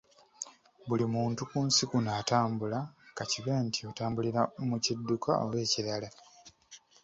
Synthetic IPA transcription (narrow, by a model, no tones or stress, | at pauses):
βulimuːntukuːnsikunaːtaːmbulakaciβeːntʰio̞taːmbuliɾamucidːukʰao̰we̞ːciɾala